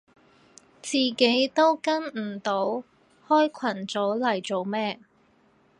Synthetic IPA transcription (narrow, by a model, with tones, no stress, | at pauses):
t͡siː˨ke˨˥jt̪o˥wkɐ˥nm̩˨˩t̪o˨˥w | hɔː˥jkʷʰɐ˨˩nt͡sɔː˨˥lɐ˨˩jt͡so˨wmɛː˥